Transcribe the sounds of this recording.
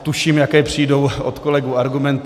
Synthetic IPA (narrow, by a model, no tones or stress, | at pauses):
t̪uʃiːmjakɛːjpr̝̥iːdo̞wʔo̰t̪kolɛɡuaɾɡumɛnt̪